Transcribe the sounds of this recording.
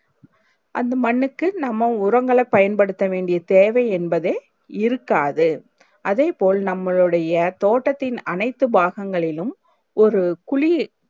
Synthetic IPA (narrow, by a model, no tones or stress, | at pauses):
ʔɐnd̪ɐmɐɳːɯkːɯnɐmːɐʊɾɐŋɡɐɭɐpːɐjɐnpɐɽɯt̪ːɐʋeːɳɖɪjɐt̪eːʋɐɪɛnbɐðeː | ɪɾɯkːaːðɯ | ʔɐðeːpoːlnɐmːɐɭɯɽɐjɐt̪oːʈːɐt̪ːɪnɐnɐɪt̪ːɯbaːɣɐŋɡɐɭɪlɯm | ʔɔɾɯkʊɻi